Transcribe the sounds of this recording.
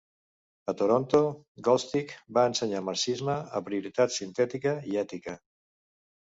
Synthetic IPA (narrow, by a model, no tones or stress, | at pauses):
ət̪oɾont̪o | ɡɔlst̪ikbaənsəɲamaɾsizməəpɾiuɾit̪at̪sint̪ɛt̪ikəiɛt̪ikə